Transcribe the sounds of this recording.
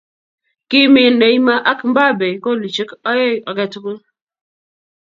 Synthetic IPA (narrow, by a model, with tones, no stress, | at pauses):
ki˦mi˨ne˨i˦ma˦ʔa˦km̩˦ba˦˨be˨ko˦˨li˨t͡ʃi˦kɔ˦je˦jɔ˨kɛ˦tu˦ku˦